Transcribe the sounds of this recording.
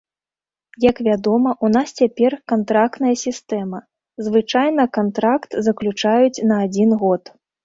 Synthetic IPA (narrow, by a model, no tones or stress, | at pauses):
jɐkvʲad̪ɔmɐʔunast͡sʲapʲɛrkant̪ɾakt̪nɐjɐsʲist̪ɛmɐ | zvɨt͡ʂajnɐkant̪ɾakt̪zɐklʲut͡ʂajut͡sʲnɐːd͡zʲinɣɔt̪